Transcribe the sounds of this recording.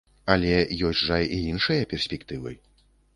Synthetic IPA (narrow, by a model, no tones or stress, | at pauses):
ɐlʲɛjɔsʲʐajiinʂɨjɐpʲɛrsʲpʲɛkt̪ɨvɨ̰